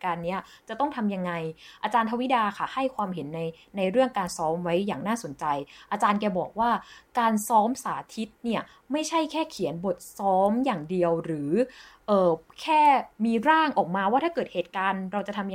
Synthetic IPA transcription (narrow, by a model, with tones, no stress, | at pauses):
kaː˧nːi˦˥ɐt͡ɕa˨˩t̪ɔ˥˩ŋt̪ʰa˧mja˧ŋːa˧jʔaː˧t͡ɕaː˧nt̪ʰa˧wi˦˥daː˧kʰa˥˩ha˥˩jkʰwaː˧mɦe˩˦nːa˧jna˧jɾɯ˥˩əŋkaː˧nsɔː˦˥mwa˦˥jːaː˨˩ŋnaː˥˩so˨˩˦nt͡ɕa˧jʔaː˧t͡ɕaː˧nkɛː˧bɔː˨˩k̚waː˥˩kaː˧nsɔː˦˥msaː˩˦t̪ʰi˦˥t̪̚ni˥˩ɐ | ma˥˩jt͡ɕʰa˥˩jkʰɛː˥˩kʰi˩˦ənbo˨˩t̪̚sɔː˦˥mjaː˨˩ŋdi˧əwɾɯː˩˦ʔɤː˨˩kʰɛː˥˩miː˧ɾaː˥˩ŋʔɔː˨˩k̚maː˧waː˥˩t̪ʰaː˥˩kɤː˨˩t̪̚heː˨˩t̪̚kaː˧nɾa˧wt͡ɕa˨˩t̪ʰa˧m